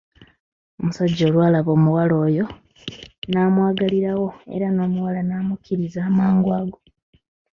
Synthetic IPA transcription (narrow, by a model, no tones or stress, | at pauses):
o̞musaɟːo̞ːlwaːlaβo̞ːmuwalo̞ːjo̞ | naːmwaːɡaliɾawo̞e̞̰ɾano̞ːmuwalanaːmukʰiɾizaːmaːŋɡwaːɡo